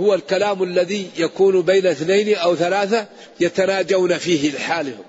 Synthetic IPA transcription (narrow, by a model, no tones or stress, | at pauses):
hʊwalkalaːmalːaðijakuːnbajnaʔɪθnajnʔawθalaːθa | jat̪anaːd͡ʒawnafiːhɪlɪħaːlh